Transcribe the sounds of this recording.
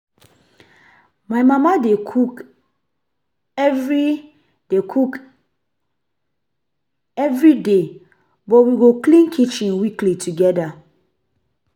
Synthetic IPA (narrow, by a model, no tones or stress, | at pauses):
maɪmamadekʰuk | ɛvɹi | dekʰuk | ɛvɹide | bɔtwiɡoklĩnkʰit͡ʃĩnwiklitʰuɡɛda